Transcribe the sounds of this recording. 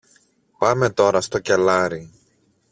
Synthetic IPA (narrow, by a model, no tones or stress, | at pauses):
pɐme̞t̪o̞ɾɐst̪o̞ce̞lɐɾi